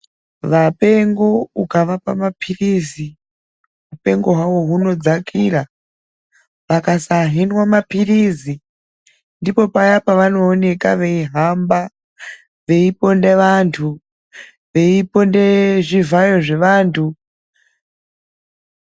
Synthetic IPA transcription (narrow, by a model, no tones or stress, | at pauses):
ʋape̞ŋɡo̞ukaʋapa̰mapʰirizi | ɦupe̞ŋɡo̞ɦwawo̞ɦuno̞d͡zakʰiːra | ʋakasaɦinwamapirizi | ndipo̞pajapaʋano̞ːne̞kaʋe̞iɦamba | ʋe̞ipo̞ndeʋantʰu | ʋe̞ipo̞ndeʐivajo̞ʐe̞ʋaːntʰu